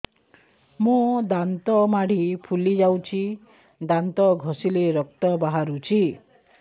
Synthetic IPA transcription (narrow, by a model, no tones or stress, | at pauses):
mud̪ant̪ɔmaɽ̤ipʰulid͡ʒawt͡ʃʰi | d̪ant̪ɔɡʱɔsileɾɔk̚t̪ɔbaɦaɾut͡ʃʰi